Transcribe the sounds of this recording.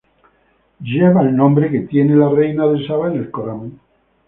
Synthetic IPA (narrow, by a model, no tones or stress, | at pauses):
d͡ʒeβalnõmbɾeket̪jenelarejnaðesaβaenelkoɾam